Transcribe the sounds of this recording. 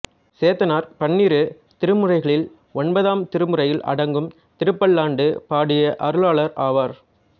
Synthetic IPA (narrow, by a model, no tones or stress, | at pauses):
seːt̪ɐnaːɾpɐɳːiːɾɯ | t̪ɪɾɯmɯrɐɪɣɐɭɪl | ɔɳbɐðaːmt̪ɪɾɯmɯrɐjɪlʔɐ̰ɽɐŋɡɯm | t̪ɪɾɯpːɐɭːaːɳɖɯpaːɽɪjɐʔɐɾɯɭaːɭɐɾaːʋaːɾ